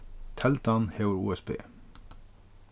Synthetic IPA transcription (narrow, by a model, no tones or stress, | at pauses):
t̪ʰɛlt̪ɑnheːʊɹṵːɛsbḛː